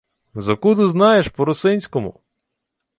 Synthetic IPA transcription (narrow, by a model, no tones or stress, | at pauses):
zɐkud̪ʊznɑjeʃpɔɾʊsɪnʲsʲkɔmʊ̰